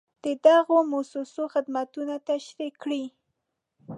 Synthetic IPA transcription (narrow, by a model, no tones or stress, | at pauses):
d̪̥əd̪aɣomʊsusoxɪd̪mat̪unat̪aʃɾikɽi